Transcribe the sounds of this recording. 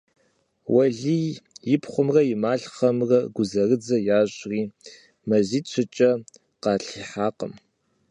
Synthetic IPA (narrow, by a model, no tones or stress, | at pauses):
wɐɮiːjɪpχʷʊmrɐjɪmaːɬχɐmrɐɡʷʊzɐrɨd͡zɐjaːɕʼriː | mɐziːt͡ʃʰɪt͡ʃʼɐ | qɑːɬiːħaːqə̰m